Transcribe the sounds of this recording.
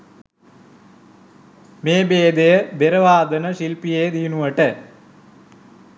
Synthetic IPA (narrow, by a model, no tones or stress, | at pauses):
meːbeːd̪ejɐbeɾɐʋaːd̪ɐnɐɕilpijeːd̪ijunuʋɐʈɐ